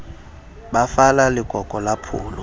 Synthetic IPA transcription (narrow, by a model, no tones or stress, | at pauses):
ɓafalalɪɡʱʼɔkʼɔlapʰṵːlɔ